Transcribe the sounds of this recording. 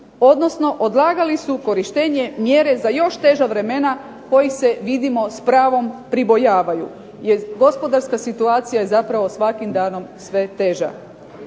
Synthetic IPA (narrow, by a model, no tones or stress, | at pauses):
o̞d̪no̞sno̞ʔod̪lˠaːɡalisuko̞ɾiʃt̪eːɲe̞mjeɾe̞zajo̞ʃt̪e̞ʒaʋɾe̞mena | ko̞jise̞ʋid̪imo̞spɾaːʋo̞mpɾibo̞jaːʋajṵ | jeɾɡo̞spo̞d̪aɾskasit̪uaːt̪sijaje̞zapɾaʋo̞sʋakimd̪aːno̞msʋe̞t̪e̞ːʒa̰